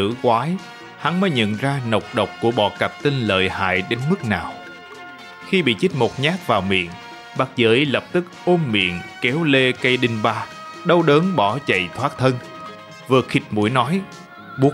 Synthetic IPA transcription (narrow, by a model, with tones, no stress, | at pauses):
ɨ̰˧˥kwaː˨˦j | ha˨˦nməː˨˦jɲə̰˧˨nzaː˧nə˨˩wk͡p̚ɗə˨˩wk͡p̚ku˧˩əɓɔ˧˩kə˨˩p̚t̪i˧nlə̰ː˧˨jha̰ː˧˨jɗe˨˦nmɨ˦˥k̚naː˨˩w | xi˧ɓḭ˧˨t͡ɕi˦˥t̚mo˨˩k͡p̚ɲaː˦˥k̚vaː˨˩wmḭ˧˨ən | ɓa˨˦˥k̚zəː˧˩ʔlə˨˩p̚t̪ɨ˦˥k̚ʔo˧mmḭ˧˨ənkɛ˨˦wle˧kə˧jɗï˧ŋɓaː˧ | ɗə˧wɗəː˨˦nɓɔ˧˩t͡ɕə̰˧˨jt̪ʰwaː˦˥k̚t̪ʰə˧n | vɨ˨˩xi˨˩t̚mṵ˧˩əjnɔ˨˦j | ɓu˨˦˥